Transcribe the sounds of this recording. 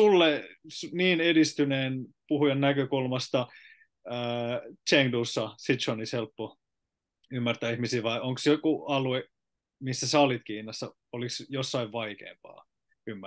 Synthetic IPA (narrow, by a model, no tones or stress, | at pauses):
ulːesniːnedist̪yneːnpuhujɑnnækøkulmɑst̪ɑ | əːt͡ʃeŋduːsːɑsit̪t͡ʃonishelpːo | ymːært̪æːihmisiːʋɑiʔoŋksjokuɑlue | misːæsɑolit̪kiːnɑsːɑ | oliksjosːɑiʋʋɑikḛːmpɑ̰ː | ymːæ